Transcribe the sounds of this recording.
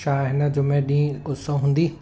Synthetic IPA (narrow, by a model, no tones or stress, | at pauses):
ʃaːɦɪnəd͡ʑoːmẽɗĩːkʊsõɦũːnd̪iː